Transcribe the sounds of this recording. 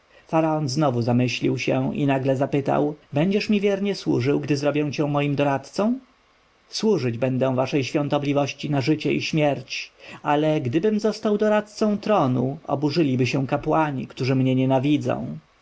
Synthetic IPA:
faɾaɔnznɔvuzamɘɕlʲiwɕɛḭnaɡlɛzapɘt̪a̰wbɛɲd͡ʑɛʂmʲivʲjɛɾɲɛswṵʐɘwɡd̪ɘzɾɔbʲjɛw̃t͡ɕɛ̃mɔjimd̪ɔɾat̪t̪sɔ̃w̃ | swuʐɘd͡ʑbɛnd̪ɛ̃w̃vaʂɛjɕfʲjɔ̃nt̪ɔblʲivɔɕt͡ɕinaʐɘt͡ɕɛiɕmʲjɛɾt͡ɕalɛɡd̪ɘbɘmzɔst̪awd̪ɔɾat̪̚t̪sɔ̃w̃t̪ɾɔnuɔ̰buʐɘlʲibɘɕɛw̃kapwaɲḭkt̪uʐɘmɲɛɲɛnavʲid̪zɔ̰̃w̃

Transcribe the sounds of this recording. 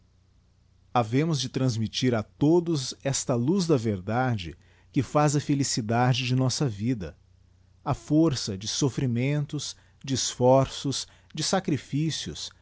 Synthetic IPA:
avẽmʊzd͡ʒɪt̪ɾɐ̃zmit͡ʃiɾɐt̪od̪ʊzɛst̪ɐluzd̪ɐveɾd̪ad͡ʒɪ | kɪfazɐfelisid̪ad͡ʒɪd͡ʒɪnɔsɐvid̪ɐ | ɐfoɾsɐd͡ʒɪsofɾimẽnt̪ʊs | d͡ʒɪːsfɔɾsʊs | d͡ʒɪsakɾifisiʊ̰s

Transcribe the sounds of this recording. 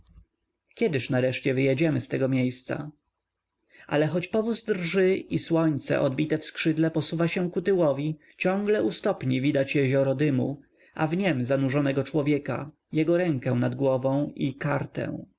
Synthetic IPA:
kʲɛd̪ɘʂnaɾɛʂt͡ɕɛvɘjɛd͡ʑɛmɘst̪ɛɡɔmʲjejst̪sa̰ | ʔa̰lɛxɔt͡ɕpɔvuzd̪rʐɘiswɔɲt̪sɛ̰ʔɔd̪bʲit̪ɛfskʂɘd̪lɛpɔsuvaɕɛ̃w̃kut̪ɘwɔvʲi | t͡ɕɔ̃ŋɡlɛʔust̪ɔpɲivʲid̪at͡ɕjɛʑɔɾɔd̪ɘmṵ | ʔa̰vɲɛmzanuʐɔnɛɡɔt͡ʂwɔvʲjɛka̰ | jɛɡɔɾɛŋkɛ̃w̃nad̪ɡwɔvɔ̃w̃ikaɾt̪ɛ̰̃w̃

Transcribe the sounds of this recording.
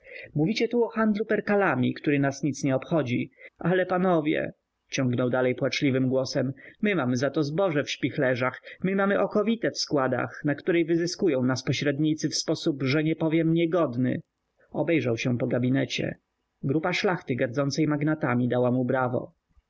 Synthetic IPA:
muvʲit͡ɕɛt̪uɔxand̪lupɛɾkalamʲikt̪uɾɘnasɲit̪sɲɛɔpxɔd͡ʑiʔalɛpanɔvʲjɛ̰ | t͡ɕɔŋɡnɔwd̪alɛjpwat͡ʂlʲivɘmɡwɔsɛmːɘmamɘzat̪ɔzbɔʐɛfɕpʲixlɛʐaxmɘmamɘʔɔkɔvʲit̪ɛfskwad̪a̰xnakt̪uɾɛjvɘzɘskujɔ̃w̃naspɔɕɾɛd̪ɲit̪sɘfspɔsupʐɛɲɛpɔvʲjɛmɲɛɡɔd̪nɘ̰ | ɔbɛjʐawɕɛpɔɡabʲinɛt͡ɕɛ̰ | ɡɾupaʂlaxt̪ɘɡaɾd̪zɔnt̪sɛjmaɡnat̪amʲid̪awamubɾavɔ̰

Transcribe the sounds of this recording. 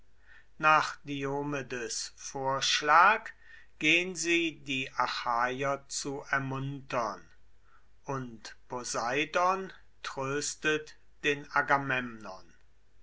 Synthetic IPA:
naːχd̥ioːmedəsfoːɐʃlaːk | ɡ̥eːənziːdiːʔaxaːjɐt͡suɛɐmʊntɐn | ʔʊntpozaɪdɔn | tʁ̥øːstət | d̥eːnaɡamɛmnɔn

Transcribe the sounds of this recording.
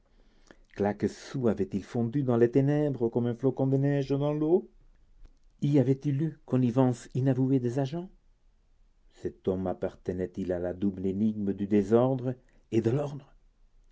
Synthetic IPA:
klakəsuavɛt̪ilfɔ̃d̪yd̪ɑ̃let̪enɛbʁəkɔmɛ̃flokɔ̃d̪ənɛʒəd̪ɑ̃lo | iavɛt̪ilykɔnivɑ̃sinavued̪ezaʒɑ̃ | sɛt̪ɔmapaʁt̪ənɛt̪ilalad̪ubleniɡ̚məd̪yd̪ezɔʁd̪ʁə | ed̪əlɔʁd̪ʁə

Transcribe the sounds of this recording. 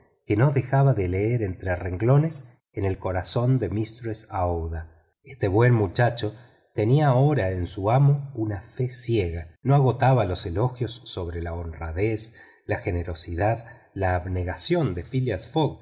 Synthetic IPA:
keno̞ðe̞xaβaðeleeɾe̞nt̪ɾereŋɡlo̞ne̞s | enelko̞ɾaso̞nd̪e̞mist̪ɾesawða | est̪eβwe̞nmut͡ʃat͡ʃo̞ | t̪e̞niaoɾaensuamounafesjeɣano̞aɣo̞t̪aβalo̞selo̞xjo̞sːo̞βɾelaonraðes | laxe̞neɾo̞siðað | laːβne̞ɣasjo̞nd̪efiljasfoɣ

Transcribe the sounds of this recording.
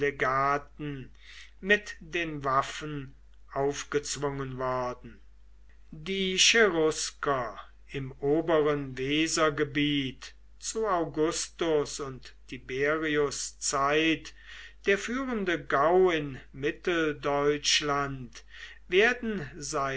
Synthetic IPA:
eɡaːtn̩ | mɪtd̥eːnvafən | ʔaʊfɡ̥ət͡sv̥ʊŋənvɔɐdn̩ | diːʃeʁʊskɐ | ɪmoːbəʁənveːzɐɡəbiːt | t͡suaʊɡʊstʊsʊnttʰːibeːʁiʊst͡saɪt | d̥eːɐfyːʁəndəɡaʊɪnmɪtl̩dɔʏt͡ʃlant | veːɐdn̩zaɪ

